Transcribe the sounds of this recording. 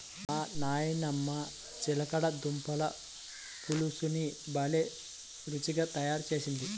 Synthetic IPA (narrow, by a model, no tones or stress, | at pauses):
aːnaːjinɐmːɐ | t͡ʃilɐkɐɽɐd̪umpɐlɐ | pulusunibɐle | ɾut͡ʃiɡaːt̪ɐjaːɾut͡ʃe̞ːsind̪i